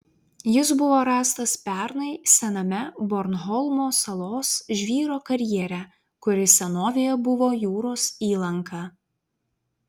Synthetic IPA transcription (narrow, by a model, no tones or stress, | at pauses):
jɪsbʊʋoːɾɑːst̪ɐspʲæˑɾnɐɪsʲɛnɐmʲɛbɔɾnɦɔlˠmoːsɐlˠoːsʒʲʋʲiːɾoːkɐɾʲjiɛɾʲæ | kʊɾʲɪsʲɛnoːʋʲejɛbʊʋoːjuːɾoːsiːlˠɐŋkʰɑː